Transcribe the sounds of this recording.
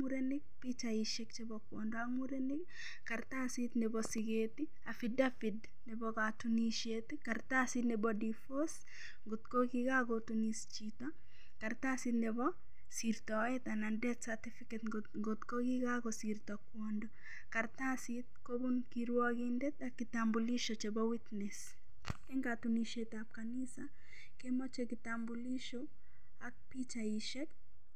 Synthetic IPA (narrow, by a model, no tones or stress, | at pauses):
muɾenɪk̚pit͡ʃaɪʃek̚t͡ʃebɔkwɔ̰ndɔamuɾenɪk | kaɾt̪asit̪nɛbɔsɪɡet̪i | afɪdafɪd | nɛbɔkatuniʃet̪ikaɾt̪asit̪nɛbɔdifos | ɡot̪koɡɪɡaɡotunist͡ʃit̪ɔ | kaɾt̪asit̪nɛbɔ | siɾt̪ɔɛt̪anadɛt̪satifiket̪ | ɡot̪koɡiɡaɡɔsirt̪ɔkwɔndo | kaɾt̪asit̪̚kobunkiɾwɔɡindɛt̪akɪt̪ambuliʃot͡ʃebɔwit̪nɛs | kɛŋɡat̪uniʃet̪af̚kanisa | kemɔt͡ʃekɪt̪ambuliʃo | ak̚pit͡ʃaiʃɛk